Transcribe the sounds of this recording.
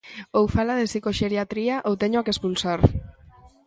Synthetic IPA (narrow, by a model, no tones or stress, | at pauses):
owfalaðesikoʃeɾiat̪ɾiaʔowt̪eɲoakespulsaɾ